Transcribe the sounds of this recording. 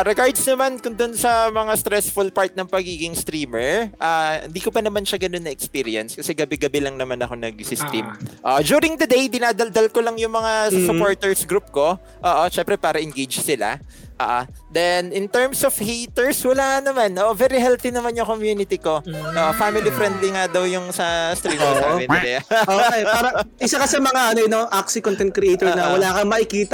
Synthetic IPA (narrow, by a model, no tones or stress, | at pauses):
ɾɛɡaɹd̪snɐmankʊŋd̪ʊnsɐmɐŋast̪ɾɛsfʊlpaɹt̪̚nɐŋpɐɡiːɡɪŋst̪ɾiːmɛɹʔahɪ̰nd̪iːkopɐnɐmanʃaɡɐno̞nːɐʔɛkspiːɾɪɐnskɐsɛɡɐbɛɡɐbɛlɐŋnɐmanɐko̞nɐɡ̚sɪst̪ɾimʔoːʔd͡ʒuːɾɪŋd̪ɐd̪ejd̪ɪnaːd̪ɐld̪ɐlkolɐŋjʊŋmɐŋasʊpoɹt̪ɛɹsɡɾup̚ko̞ | ʔoːʔoʃɛmpɾɛpaːɾɐʔɪŋɡejd͡ʒsɪla̰ | ʔo̰ːʔo | d̪ɛnɪnt̪ɛɹmsofhit̪ɛɹswɐlaːnɐmanʔoːʔovɛːɾɪɦɛlθinɐmanjʊŋkomjuːnɪt̪iko̞ʔoːʔofamɪlifɾɛnd̪liŋad̪ɐwjʊŋsɐst̪ɾimoamɛnɛlɛʔoejpaːɾɐʔɪsakɐsɐmɐŋaʔɐnojnɐʔaksikont̪ɛnt̪̚kɾɪʔejt̪oɹnɐwɐlaːkɐŋmɐʔɪkiːt̪ɐ